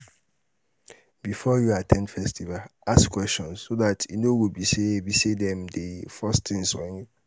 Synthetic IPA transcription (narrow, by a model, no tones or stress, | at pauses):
b̥ifɔjuatʰɛ̃ndfɛstʰivaaskʰwɛst͡ʃɔ̃nsːodatʰinowobisebisedɛ̃mdefɔstʰɪ̃ŋsɔ̰̃n